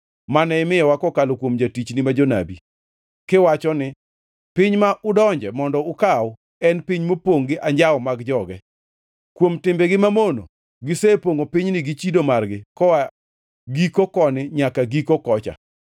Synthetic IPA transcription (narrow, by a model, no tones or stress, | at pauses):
manɛɪmɪjɔwakɔkalokwomd͡ʒatit͡ʃnɪmad͡ʒona̰bi | kɪwat͡ʃɔnɪ | pɪɲmaʔʊdɔɲd͡ʒɛmɔndɔʊkaw | ɛnpiɲmopoŋɡɪʔaɲd͡ʒawmaɡd͡ʒɔɡɛ | kwomtɪmbɛɡɪmamono̰ | ɡɪsepoŋopiɲnɪɡɪt͡ʃidomarɡɪkɔwa | ɡikokɔnɪɲakaɡikokɔt͡ʃa̰